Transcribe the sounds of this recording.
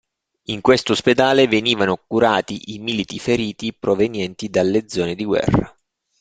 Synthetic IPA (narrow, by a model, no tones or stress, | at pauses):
iŋkwest̪osped̪aːleveniːvanokuɾaːt̪iʔimilit̪ifeɾiːt̪ipɾovenjɛnt̪id̪alːed̪zːɔːned̪iɡwɛ̰rːa̰